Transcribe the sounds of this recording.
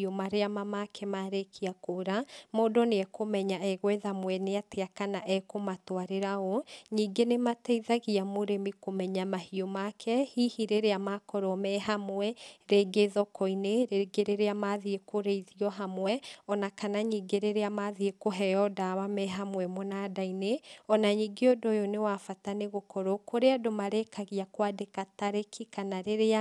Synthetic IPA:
omaɾeamamakʰɛmaɾekʰiakoɾamodɔneɛkomɛɲaɛɣwɛðamwɛneateakanaʔɛkomatwaɾeɾaoɲiːɡenematɛiðaɣiamoɾemikomɛɲamahiomakʰɛhihiɾeɾeamakɔɾɔmɛɦamwɛɾeɡeðɔkɔineɾeɡeɾeɾeamaðiekoɾeiðiɔɦamwɛɔnakanaɲiːɡeɾeɾeamaðiekoɦɛjɔdawamɛɦamwɛmɔnadaineɔnaɲiːɡeodojonewafataneɣokɔɾɔkoɾeadomaɾekʰaɣiakwadekataɾekʰikanaɾeɾea

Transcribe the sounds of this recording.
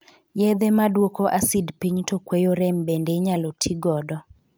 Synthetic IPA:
jɛd̪ɛmadwokoʔasidpiɲtokwejoɾɛmbendeɲalotʰiɡɔdɔ

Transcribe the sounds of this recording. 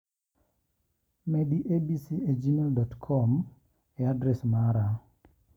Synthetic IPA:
mediʔebisied͡ʒimeldɔtkʰɔm | ɛadɾɛsmaɾa

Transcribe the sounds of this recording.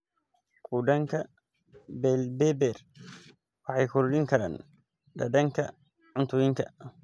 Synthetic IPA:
kʰuːɖɐŋkʰɐ | bɛlbɛbɛːr | wɑħɑjkʰʊɾʊɗɪŋkʰɐɾa̰ːn | ɖɐ̰dɐŋkʰɐ | ʕʊnt̪ʰʊjɪŋkʰɐ

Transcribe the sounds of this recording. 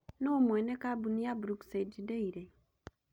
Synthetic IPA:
nomwenekabunijabuɾuksed͡ʒideiɾe

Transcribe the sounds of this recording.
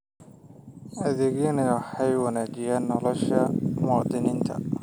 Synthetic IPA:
ʔɐðɪɣɪnɐwɑħɑjwɑnaːt͡ʃɪjaːnːɔlɔʃɐmɑːd̪ɪnɪnt̪ʰɐ̰

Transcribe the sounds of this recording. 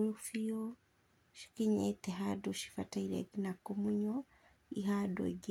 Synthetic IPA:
ɾufio | ʃi̥kiɲɛt̪ɛɦadɔʃi̥fataiɾɛ̰ɡinakumuɲɔ | iɦado̰ɟ

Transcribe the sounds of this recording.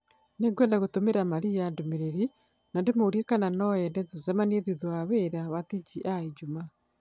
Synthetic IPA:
neŋɡwɛːndaɣotomeɾamaɾijadomeɾeɾi | nandemoɾiekananɔɛndɛðuzɛmaneðiðwaβeɾaβatid͡ʒiʔaid͡ʒuma

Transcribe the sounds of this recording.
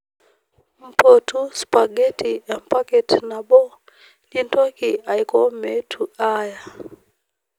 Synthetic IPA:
m̩pɔtuspaɡɛtiampakɛtnaɓɔ | lintɔkiaikɔmɛtʰuaja

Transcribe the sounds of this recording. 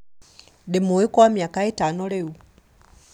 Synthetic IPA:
demuikɔwamjakaetanoleu

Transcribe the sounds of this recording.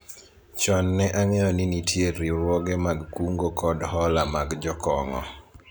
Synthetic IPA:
t͡ʃɔnːɛʔaŋɛjɔninitʰjeɾiɾwɔɡemaɡkuŋɡokɔdhɔlamaɡd͡ʒɔkɔŋɔ̰

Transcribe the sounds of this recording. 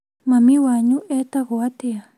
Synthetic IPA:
mãmĩwaɲũʔet̪aɣoat̪ea

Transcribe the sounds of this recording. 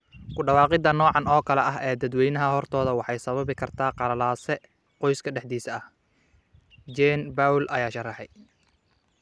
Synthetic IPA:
kʰʊɖɑwɑːqɪd̪ɐnɔːʕɑnɔːkʰɐlɛʔɐɦɛːd̪ɐd̪wɛjnɐɦɐhɔrt̪ʰɔːðɐwɑħɑjsɐβɐβɪkʰɐrt̪ʰaːqɑɾɐlaːsɛ | qɔjskʰɐɖɛħd̪iːsɐɐh | d͡ʒɛnbawlʔɐjaːʃɐrɐħɛj

